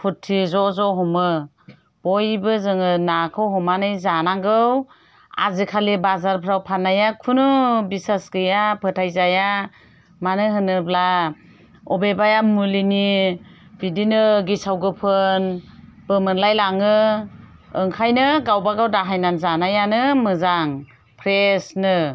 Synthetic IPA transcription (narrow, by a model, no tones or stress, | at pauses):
pʰutʰːizɔzɔɦɔmɯ | b̥ɔjbɯzɯŋɯnakʰɯwɦɔmanɯjzanaŋɡɯw | a̰zikʰalibazaɾpʰɾawpʰanːajakʰunubisasɡɯjapʰɯtʰajzaja | manɯɦɯnɯbla | ɔbebajamulini | b̥idinɯɡisawɡɯpʰɯnb̥ɯmɯnlajlaŋɯː | ŋkʰajnɯɡawbaɡawdaɦajnanzanajanɯmɯzaŋ | pʰɾesnɯ